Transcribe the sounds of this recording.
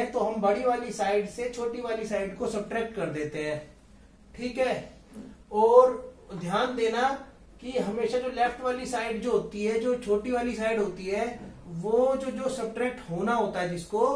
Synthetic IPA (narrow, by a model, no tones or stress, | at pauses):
ɛ̃t̪oɦɐmbɐɽiʋaːlisaːɪɖset͡ʃʰoːʈiʋaːlisaːɪɖkosɐb̚ʈɾɛːk̚ʈkɐɾd̪eːt̪eɦɛ̃ː | ʈʰiːkɦɛː | ɔːɾd̪ʱjaːnd̪eːna | kiɦɐmeːʃad͡ʒoːlɛfʰʈʋaːlisaːɪɖd͡ʒoːɦoːt̪iɦɛd͡ʒoːt͡ʃʰoːʈiʋaːlisaːɪɖɦoːt̪iɦɛʋod͡ʒoːd͡ʒoːsɐb̚ʈɾɛːk̚ʈɦoːnaɦoːt̪aɦɛd͡ʒɪsko